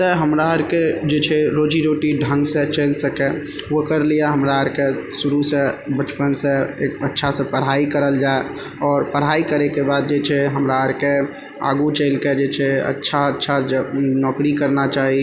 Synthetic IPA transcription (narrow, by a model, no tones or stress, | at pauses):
t̪əɦəmɾaəɾked͡ʒet͡ʃʰɛɾod͡ʒiɾoʈiɖʱə̃ŋɡsẽt͡ʃəɪlsəke | wəkəɾlijaɦəmɾaəɾkesuɾusẽbət͡ʃpənsẽətːʃʰasə̃pəɾ̤ɦaikəɾəld͡ʒae | ɔːɾpəɾ̤aikəɾekebad̪̚d͡ʒet͡ʃʰɛɦəmɾaəɾke | a̰ɡut͡ʃəɪlked͡ʒet͡ʃʰɛə̰tːʃʰaətːʃʰad͡ʒnɔkɾikəɾnat͡ʃaːɦi